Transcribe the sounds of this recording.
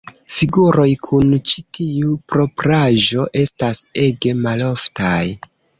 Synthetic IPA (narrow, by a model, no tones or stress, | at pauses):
fiɡuɾo̞jkʰunt͡ʃi̥tiupɾo̞pɾaʒo̞ʔe̞stase̞ɡe̞malo̞ftaj